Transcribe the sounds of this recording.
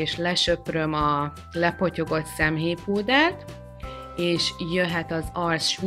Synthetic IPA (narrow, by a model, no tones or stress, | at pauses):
eːʃlɛʃø̞prø̞mɒ | lɛpo̞co̞ɡo̞t̪sɛmɦeːpuːd̪aːt̪ | eːʃjøɦɛt̪ɒzɒrsʃ